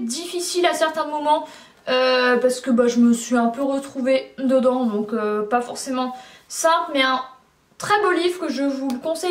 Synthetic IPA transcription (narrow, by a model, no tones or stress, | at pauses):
d̪ifisilasɛʁt̪ɛ̃mɔmɑ̃ | øpaʁsə̥kəbaʒəməsɥiɛ̃pøʁət̪χuved̪əd̪ɑ̃d̪ɔ̃køpafɔʁsemɑ̃sɛ̃plmɛɛ̃ | t̪χɛbolivʁkəʒəvuləkɔ̃sɛ